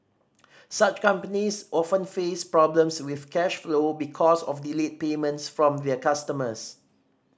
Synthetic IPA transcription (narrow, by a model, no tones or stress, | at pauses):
sat͡ʃkãmpənisʔɔfə̃nfespɹɔblə̃mswiθkɛʃflobikʰɔsɔfdilet̚pemə̃ntsfɹɔ̃mðɛəkastəməs